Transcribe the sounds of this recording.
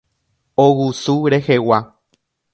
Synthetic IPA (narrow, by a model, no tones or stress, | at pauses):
owusuɾehewa